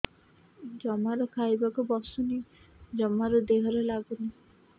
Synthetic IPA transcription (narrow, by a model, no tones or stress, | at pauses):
d͡ʒɔmaɾɔkʰajbakubɔsunid͡ʒɔmaɾɔd̪eɦɔɾelaɡuni